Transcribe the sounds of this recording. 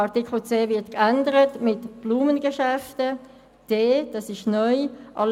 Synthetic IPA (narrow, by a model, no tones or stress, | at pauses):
ɑtikl̩t͡seːvɪɐtkændəɾətmɪtb̥luːmənɡəʃɛftə | d̥eːd̥ɑsɪʃnɔʏʔɑl